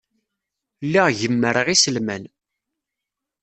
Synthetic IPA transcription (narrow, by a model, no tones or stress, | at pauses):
lːiʁʝəmːəɾʁisəlmæn